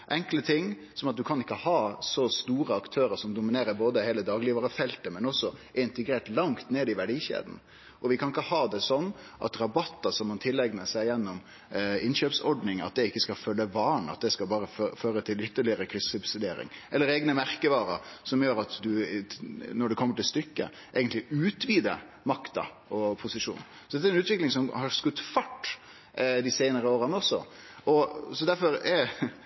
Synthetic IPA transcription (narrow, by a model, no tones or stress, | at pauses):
ʔɛŋklət̪ʰɪŋː | sɔmɑt̪̚d̪ʉkʰɑnɪkːəhɑːsɔst̪uːɾəɑkt̪ʰøːɾəɾʂɔmd̪ʊmɪneːɾəɾboːd̪əheːləd̪ɑːɡliːʋɑɾəfɛlt̪əmɛnɔsːɔɪnt̪əɡɾeːʈlɑŋt̪neːd̪ɪʋæɖiːɕḛːd̪n̩ | ʔɔʋɪkʰɑnɪkːəhɑːd̪ɛsɔnː | ʔɑ̰t̪ɾɑbɑt̪ːəsɔmhɑnt̪ʰɪlːɛɡnəsæɪjɛnːɔm | ɪnɕøːpsɔɖnɪŋɑ̰t̪̚d̪ɛɪkːəskɑfœlːəʋɑːɳɑ̰t̪̚d̪ɛskɑbɑːɾəføːɾət̪ʰɪlʏt̪ːəɭɪəɾəkʰɾɪsʉbsɪd̪eːɾɪ̰ŋʔɛlːəɾeːɡnəmæɾkəʋɑːɾə̰ɾsɔmjøːɾɑt̪d̪ʉ | nɔɖɛkʰɔmːəʈɪlst̪ʏkːə̰ | ʔeːɡənt̪lɪʔʉːt̪ʋiːd̪ə | mɑkt̪ɑ̰ | ɔpʰʊsɪʂṵːn | sɔd̪ɛt̪æɾɛnʉːt̪ʋɪklɪŋsɔmhɑɾskʉt̪ːfɑʈː | d̪ɪsæɪnəɾəoːɾənəɔsɔ̰ | ɔsɔd̪æɾfɔɾɛ